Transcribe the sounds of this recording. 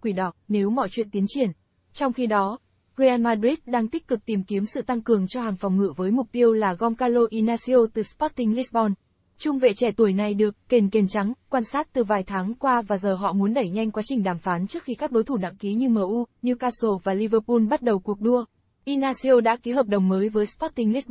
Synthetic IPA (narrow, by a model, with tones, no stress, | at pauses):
kwi˧˩ɗɔ˨˩t̚ne˨˦wmɔ̰˧˨jt͡ɕwḭ˧ənt̪i˨˦ənt͡ɕi˧˩ən | t͡ɕɔ˧wŋ͡mxi˧ɗɔ˨˦ | ɹe˧ʔaː˧nmaː˧ɗi˦˥t̚ɗaː˧ŋt̪i˦˥k̚kɨ˨˩k̚t̪i˨˩mki˨˦əmsɨ̰˧˨t̪a˧ŋkɨ˨˩əŋt͡ɕɔ˧haː˨˩ŋfɔ˨˩wŋ͡mŋɨ̰˧˨vəː˨˦jmʊ˨˩k͡p̚t̪i˧əwlaː˨˩ɣɔ˧mkaː˧lo˧ʔi˧naː˧si˧o˧t̪ɨ˨˩spɔ˦˥t̚t̪i˧ŋli˦˥sɓɔ˧n | t͡ɕʊ˧ŋ͡mvḛ˧˨t͡ɕɛ˧˩t̪u˨˩əjna˨˩jɗɨ˨˩əkːe˨˩nke˨˩nt͡ɕa˨˦ŋkwaː˧nsaː˦˥t̚t̪ɨ˨˩vaː˨˩jt̪ʰaː˨˦ŋkwaː˧vaː˨˩zəː˨˩ɦɔ̰˧˨mu˨˦ənɗə˧˩jɲa˧jŋkwa˨˦t͡ɕï˨˩ŋ̟ɗaː˧˩mfaː˨˦nt͡ɕɨ˦˥k̚xi˧kaː˦˥k̚ɗo˨˦jt̪ʰu˧˩na̰˧˥ŋki˨˦ɲɨ˧məː˨˩ʔu˧ɲɨ˧kaː˧so˧˩vaː˨˩li˧vəː˧pu˧nɓa˦˥t̚ɗə˨˩wku˨˩ək̚ɗu˧ə | ʔi˧naː˧si˧o˧ɗa̰ː˧˥ki˨˦ɦəː˨˩p̚ɗə˨˩wŋ͡mŋəː˨˦jvəː˨˦jspɔ˦˥t̚t̪ï˧ŋli˦˥t̚